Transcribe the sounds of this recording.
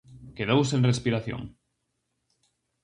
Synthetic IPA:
keðowsenrespiɾaθjõ̰ŋ

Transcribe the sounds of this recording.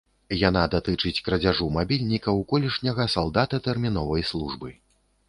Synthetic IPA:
janad̪at̪ɨt͡ʂɨt͡sʲkɾɐd͡zʲaʐumabʲilʲnʲikɐwkɔlʲiʂnʲɐɣɐsalˠd̪at̪ɐt̪ɛrmʲinɔvɐjslˠuʐbɨ

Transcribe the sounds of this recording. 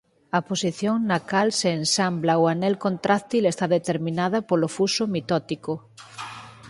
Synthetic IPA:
ɐposiθjoŋnakalseːnsamblaoanɛlkont̪ɾakt̪ilest̪aðet̪eɾmĩnað̞ɐpolofusomit̪ɔt̪iko

